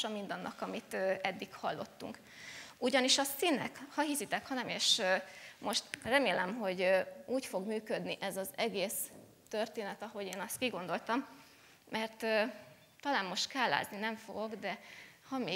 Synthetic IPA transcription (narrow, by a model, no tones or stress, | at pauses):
ʃɒmːind̪ɒnːʔɒ̰kɒmit̪øɛd̪ːikhɒlːo̞̰t̪ːṵŋk | uɟɒniʃɒsinːɛ̰khɒɦisit̪ɛkhɒnɛmeːʃ | mʔo̞ʃt̪rɛmeːlɛmɦo̞ɟuːcfo̞ɡmyːkød̪niʔɛzɒzɛɡeːs | t̪ørt̪eːnɛt̪ɒɦo̞ɟeːnɒst̪kiɡo̞nd̪o̞lt̪ɒmː | ɛrt̪ø | t̪ɒlaːnmo̞ʃt̪kaːlːa̰ːzninɛɱfo̞̰ɡo̞ɡd̪ɛhɒmeː